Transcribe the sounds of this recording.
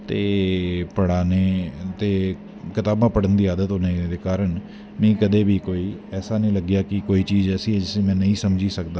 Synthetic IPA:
t̪eːpəɽaːneːt̪eː | kɪt̪aːbãːpəɽənd̪iːaːd̪ət̪ɦoːneːd̪eːkaːɾəɳ | mɛ̃ːkəd̪eːbʱiːkoːiːɛːsaːnəĩːləɡjaːkɪkoːiːt͡ʃiːzɛːsĩɛd͡ʒɪsẽːmɛ̃ːnəĩːsəmd͡ʒiːsəkd̪aː

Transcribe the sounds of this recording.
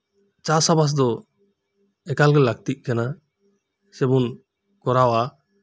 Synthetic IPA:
t͡ʃasabas̬d̪ɔ | ɛkalɡɛlaɡ̚t̪iʔ̚ˀkana | sɛbun | kɔɾawa

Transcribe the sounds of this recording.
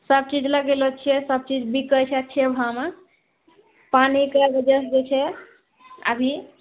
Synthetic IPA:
səb̚t͡ʃid͡ʒləɡelot͡ʃʰiɛsəb̚t͡ʃid͡ʒbikəjt͡ʃʰətːt͡ʃʰɛbʱam | panikəɡəd͡ʒəsd͡ʒet͡ʃʰɛ | ə̰bʱi

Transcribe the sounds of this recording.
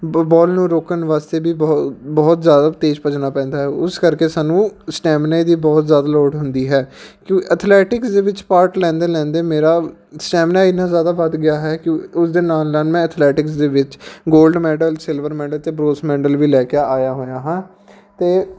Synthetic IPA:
bɔːlnũːɾoːkənʋaːst̪eːbiːbɔːbɔːt̪zjaːd̪aːt̪eːd͡ʒpət͡ʃnaːpɛ̃ːnd̪aːɦɛːʊskəɾkeːsaːnũːsʈɛːmnaːid̪iːbɔːt̪zjaːd̪aːlɔːʈɦʊnd̪iːɦɛːkjõːkʔət̪ʰlɛːʈɪksd̪eːʋɪt͡ʃpaːɾʈlɛ̃ːnd̪eːlɛ̃ːnd̪eːmeːɾaːsʈɛːmnaːɪnãːzjaːd̪aːʋəd̪ɡɪjaːɦɛːkɪʊsd̪eːnaːlːaːlmɛ̃ːət̪ʰlɛːʈɪksd̪eːʋɪt͡ʃɡoːlɖmɛːɖəlsɪlʋəɾmɛːɖəlt̪eːbɾoːsmɛːɖəlʋiːlɛːkɪaːjaːɦoːjaːɦãː | t̪eː

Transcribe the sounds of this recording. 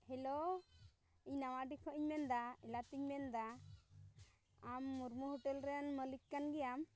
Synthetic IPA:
hɛlɔ | iɲnawaɖikʰɔʔiɲmɛnd̪aɛlat̪iɲmɛnd̪a | amːuɾmuɦɔʈɛlɾɛanməlikkːanɡɛjam

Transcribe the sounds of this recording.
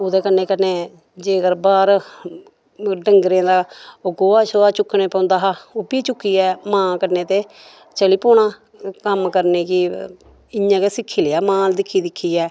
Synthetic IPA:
oːd̪eːkənːeːkəneː | d͡ʒeːɡəɾbaːɾ | ɖəŋɡɾẽːd̪aːoɡoːaːʃoːaːt͡ʃʊkʰːnẽːpə̃ʊ̃nd̪aːɦaːoːbiːt͡ʃʊkːiːɛːmãːkənẽːt̪eː | t͡ʃəliːpoːɳ̃ãː | kəmkəɾneːki | ɪjãːkeːsɪkʰːiːleaːmãːld̪ɪkʰːiːd̪ɪkʰːiːɛː

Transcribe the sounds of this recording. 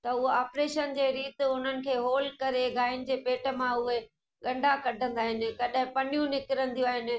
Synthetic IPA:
t̪ɐʊɦoaːpɾeːʃənd͡ʑeːɾiːt̪ɪʊn̤ənɪ̆kʰeːɦoːlkɐɾeɡʱaːɪnɪ̆d͡ʑeːpeːʈə̆mãʊɦe | ɠɐ̃ɳɖʱakɐɖʱə̃nd̪aːɦɪnɪ̆kɐɗaɦɪ̃pɐnijũnɪkɪɾə̃nd̪ʱijũaːɦɪnɪ̆

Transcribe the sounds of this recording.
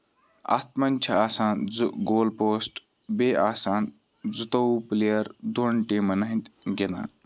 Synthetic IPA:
a̰t̪̚mɐnʲt͡ʃʰɐaːsaːnzuɡoːlpoːsʈ | beːʔaːsaːn | zut̪ɐuplejɐɾd̪onʈiːmɐnɐɦint̪ɡena̰ː

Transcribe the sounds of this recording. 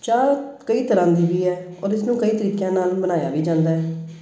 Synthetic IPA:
t͡ʃaːɾkəiːt̪əɾãːd̪iːʋiːɦɛː | ɔːɾɪsnũːkəiːt̪əɾiːkjãːnaːlbənaːja̰ːʋiːd͡ʒãːnd̪aːɦɛː

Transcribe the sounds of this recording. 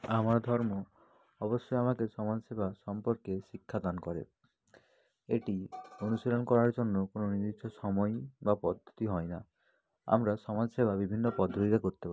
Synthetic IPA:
amaɾɔd̪ʱɔɾmɔ | ɔbɔsːɔamakesɔmad͡ʒɔsebʱasɔmpɔɾkesikʰːad̪anɔkɔɾḛ | eʈionuseɾɔnɔkɔɾaɾd͡ʒɔnːɔkononiɾit͡ʃʰɔsɔmɔjbapɔd̪ʱːɔ̥t̪iɦɔjna | a̰mɾasɔmad͡ʒsebʱabibʱinːɔpɔd̪ʱɔt̪iɾakoɾit̪epa

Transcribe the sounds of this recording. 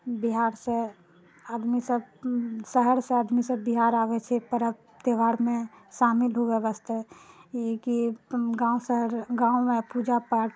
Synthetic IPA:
biɦaɾsẽ | ad̪misəbsəɦəɾsẽad̪misəbbiɦaɾaʋɛt͡ʃʰɛpəɾə | t̪eʋaɾmẽʃamilɦoɡɛbəst̪eekiɡãusəɦəɾɡãumẽpud͡ʒapəɾ

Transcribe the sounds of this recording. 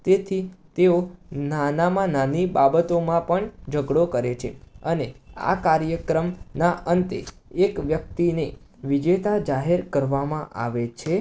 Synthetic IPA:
t̪et̪ʰit̪eonanamãnanibabət̪omãpəɳd͡ʒəɡɽokəɾet͡ʃʰḛənea̰kaɾjəkɾəmnaʔənt̪ḛ | ekʋjək̚t̪ine | ʋid͡ʒet̪ad͡ʒaɦeɾkəɾʋamãʔa̰ʋet͡ʃʰe

